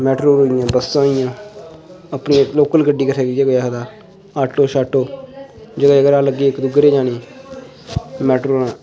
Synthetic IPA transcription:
mɛːʈɾoːɾoːijãːbəsãːɪjãː | əpnĩloːkəlɡəɖːiːkəɾʰeːɡɪeːɡojaːsd̪aː | aːʈːoːʃaːʈoːd͡ʒəɡəd͡ʒəɡəɾãːləɡːeːɪkd̪ʊɡɾeːd͡ʒaːniː | mɛːʈɾoːãː

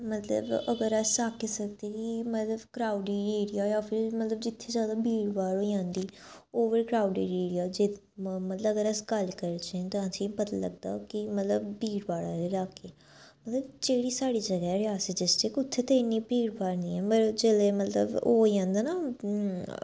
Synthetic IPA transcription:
mət̪lə̰bəɡəɾɛsaːkeːsəkd̪eːkiimət̪ləbkɾaːʊɖiːɾeːɽijaːjaːpʰɪɾmət̪ləbd͡ʒɪt̪ʰːeːzjaːd̪aːbʱiːɽbaːɽoːiãːnd̪iːoːʋəɾkɾaːʊɖḭːɾeːɽijaːd͡ʒe | mət̪ləəɡəɾəsɡəlkəɾt͡ʃẽːt̪aãːsĩːpət̪aːlə̰ɡd̪a̰ːkɪmət̪ləbbiːɾbaːɽaːeɾaːkeː | mət̪ləbt͡ʃeːɽiːsaːɽiːd͡ʒəɡaːɛɾɪjaːsəd͡ʒɪsʈekʊt̪ʰːeːt̪eːniːpiːɾbaːɾnĩːɛːpəɾd͡ʒeːleːmət̪lə̰boːiãːnd̪aːnaː

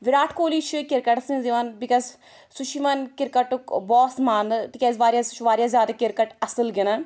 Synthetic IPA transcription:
ʋiɾaːʈʰkoːliːt͡ʃʰikiɾkɐʈsĩnziʋanbikɐz | sut͡ʃʰimɐnkɪɾkɐʈukbɔːsmaːnt̪ikʲezʋaːɾjast͡ʃʰʋaːɾjazʲjaːd̪akɪɾkɐʈɐsɨlɡina

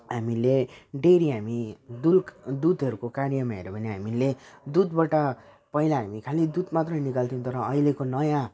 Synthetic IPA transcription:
ɦamileɖeɾiɦamid̪uld̪ud̪ɦʌɾukokaɾjʌmaɦḛɾʌbʱʌneɦamiled̪ud̪baʈa | pʌilaɦamikʰalid̪ud̪mat̪rʌjnikalt̪ʰiũt̪ʌɾʌʌilekonʌjã

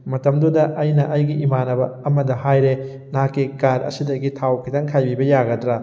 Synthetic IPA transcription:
mɐtɐmdudɐʔɐjnɐʔɐjɡiimanɐbɐːmɐdɐhajɾe | nakːikaɾɐ̰sidɐɡitʰawkʰitɐŋkʰajbibɐjaɡɐtɾɐ

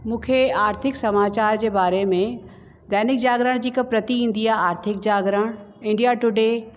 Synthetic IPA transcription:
mũːkʰeaːɾt̪ʰɪksɐmaːt͡ɕaːɾd͡ʑeːbaːɾemẽ | d̪ɛːnɪk̚d͡ʑaːɡɾəɽ̃d͡ʑiːkəpɾɐt̪iɦĩːn̆d̪iaːɦaːɾt̪ʰɪk̚d͡ʑaːɡɾəɽ̃ | ɪ̃ɳɖijaʈʊɖe

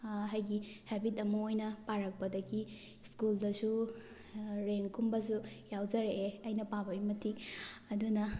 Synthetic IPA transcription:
ɦajɡihɛbitɐmɐojnɐpaɾɐk̚pɐdɐɡi | skuldɐsu | ɾeŋkʰumbɐs̬ujawd͡ʒɐɾeʔeɐjnɐpabɐjmɐtʰiɐdunɐ

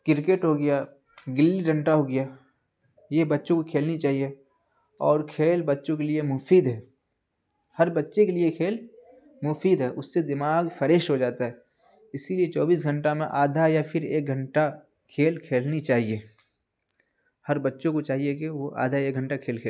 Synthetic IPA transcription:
kɪɾkeʈɦoɡɐja | ɡɪlːiɡʱə̃ɳʈaɦoɡɪja | jebɐtːʃõkokʰeːlnit͡ʃaːɦije | ɔːɾkʰeːlbɐtːʃõkeliemʊfiːd̪ɦɛː | hɐɾbɐtːʃekeliekʰeːl | mʊfiːd̪ɦɛːʔʊsːed̪ɪmaːɡfʰəɾeːʃɦod͡ʒaːt̪aɦɛ | ɪsiliet͡ʃɔːbiːsɡʱə̃ɳʈamẽʔaːd̪ʱajafʰɪɾḛːk̚ɡʱə̃ɳʈa | kʰeːlkʰeːlnit͡ʃaːɦie | hɐɾbətːʃõkot͡ʃaːɦijekeʋoʔa̰ːd̪ʱaeːk̚ɡʱə̃ɳʈakʰeːlkʰeːl

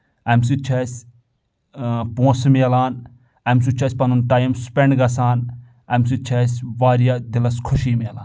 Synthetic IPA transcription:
ɐmsit͡ʃʰɛːsʲ | põːsmeːlaːn | ɐms̬ut͡ʃʰɐsʲpɐnunʈaːjmspeɳɖɡɐsaːn | ɐmsit͡ʃʰeːsʲʋaːɾijad̪ilɐskʰuʃiːmeːla̰ːn

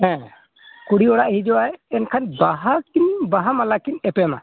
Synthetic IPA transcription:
ɦɛ̃ | kuɽiɔɽaʔhid͡ʒɔwajɛnkʰanbaɦakinbaɦamalakinɛpɛma̰

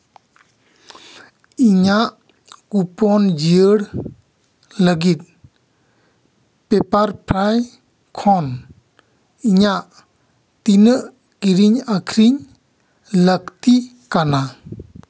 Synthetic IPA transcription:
iɲaʔ | kupɔnd͡ʒiəɽ | ləɡit̪̚ | pepaɾpʰɾaj | kʰɔn | iɲaʔ | t̪inəʔ | kiɾiɲakʰɾiɲ | lək̚t̪i | kana

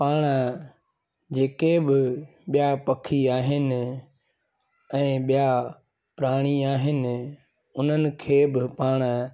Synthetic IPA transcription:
paːɽ̃ə | d͡ʑeːkebɪɓijapɐkʰiaːɦɪnɪ | ɛ̃ːɓija | pɾaːɽ̃iaːɦɪnɪ̆ | ʊn̤ənɪ̆kʰeːbɪpaːɽ̃

